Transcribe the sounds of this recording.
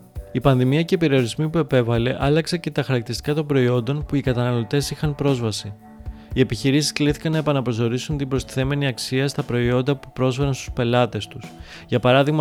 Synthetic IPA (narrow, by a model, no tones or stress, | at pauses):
ipɐnðimiɐceipe̞ɾio̞ɾizmipue̞pe̞vɐle̞ʔɐlɐkse̞ce̞t̪ɐxɐɾɐkt̪iɾist̪i̥kɐt̪o̞mbɾo̞io̞nd̪o̞npuikɐt̪ɐnɐlot̪e̞sixɐnpɾo̞zvɐsi | ie̞piçiɾisi̥skliθi̥kɐnːɐe̞pɐnɐpɾo̞so̞ɾisunt̪imbɾo̞st̪i̥θe̞me̞niɐksiɐst̪ɐpɾo̞io̞nd̪ɐpu̥pɾo̞zfe̞ɾɐnst̪u̥spe̞lɐt̪e̞st̪us | ʝɐpɐɾɐðiɣmɐ